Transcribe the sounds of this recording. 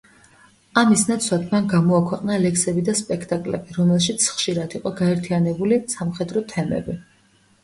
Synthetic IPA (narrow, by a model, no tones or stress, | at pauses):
amisnat̪sʰwat̪ʰmanɡamɔakʰwɛqʼnalɛksɛbid̪aspʼɛkʰt̪ʼakʼlɛ̰biɾɔmɛlˠʃit̪sʰχʃiɾad̪iqʼɔɡaɛɾt̪ʰianɛbulisamχɛd̪ɾɔt̪ʰɛmɛ̰bi